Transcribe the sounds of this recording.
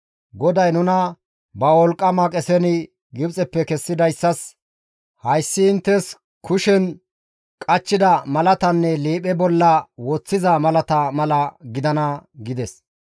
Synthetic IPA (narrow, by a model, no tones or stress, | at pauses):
ɡɔd̪ɐjnʊnɐ | bɐwɔlkʼːɐmɐkʼɛsɛnɪ | ɡɪbt͡sʼɛpːɛkɛsːɪd̪ɐjsːɐs | hɐjsːɪːnt̪ːɛs | kʰʊʃɛn | kʼɐt͡ʃːɪd̪ɐmɐlɐt̪ɐnːɛliːpʼɛbɔlːɐwɔt͡sːɪzɐmɐlɐt̪ɐmɐlɐɡɪd̪ɐnɐɡɪd̪ɛs